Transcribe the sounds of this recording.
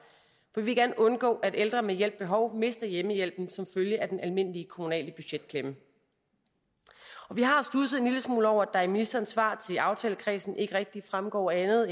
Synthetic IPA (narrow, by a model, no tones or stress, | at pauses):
fɒ̽d̥iʋelɡ̥æɐnɔ̽nɡ̥ɔ̰̽ːʔæd̥eld̥ʁɐmejel̰b̥̚ːe̝ɦɒ̽ʊme̝sd̥ɐjeməjel̰b̥n̩sɒ̽mføljəʔæd̥enʔælme̝n̰əliəkʰo̝munɛ̰ːləb̥yɕed̥̚kʰlemə | ɒ̽ʋiɦɑ̈sd̥usð̩ˠe̝nliləsmṵːlɒʊɐd̥ɑ̈æɐminisd̥ɐːnsʋɑ̰̈ːt͡sʰe̝lɑ̈ʊt͡sʰɛ̰ːləkʰʁɛ̰ːsn̩ʔe̝ɡ̥əʁɛɡ̥̚d̥i̥fʁamɡ̥ɒ̰ːænð̩ˠ